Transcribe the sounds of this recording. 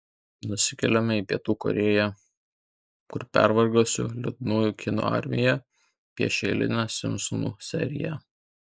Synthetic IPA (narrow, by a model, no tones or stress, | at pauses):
nʊsʲɪkʲɛlʲɛmʲɛiːpʲiɛt̪uːkɔ̰ɾʲeːjæ | kʊɾpʲæ̰ɾʋɐɾɡoːsʲʊ̰lʲɛt̪nuːjukʲɪno̰ːɑ̰ɾʲmʲɪjɛ | pʲiɛʃʲɛlʲɪ̰nʲæsʲɪmsɔnṵːsʲɛ̰ɾʲɪjɛ